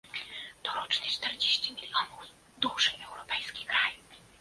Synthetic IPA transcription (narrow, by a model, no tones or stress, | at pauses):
t̪ɔɾɔt͡ʂnɛt͡ʂt̪ɛɾd͡ʑeɕt͡ɕimʲilʲijɔnuf | d̪uʐɨɛwɾɔpɛjskʲikɾaju